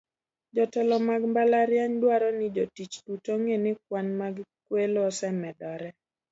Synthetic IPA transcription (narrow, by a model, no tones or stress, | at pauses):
d͡ʒɔtɛlɔmaɡmbalaɾjaɲdwaɾɔnɪd͡ʒotit͡ʃdutoŋenɪk̚wanmaɡkwelɔsɛmɛdɔɾɛ